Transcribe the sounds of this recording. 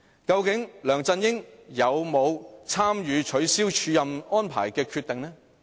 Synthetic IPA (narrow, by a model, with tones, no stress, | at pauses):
kɐ˧wkɪ˨˥ŋlœː˨˩ŋt͡sɐ˧njɪ˥ŋjɐ˨˧wmo˨˧wt͡sʰaː˥mjyː˨˧t͡ʃʰɵ˨˥ɥsiː˥wt͡ʃʰyː˨˧jɐ˨mɔː˥npʰa̰ː˨˩jkɛː˧kʰy˧t̪ːɪ˨˩ŋnɛ˥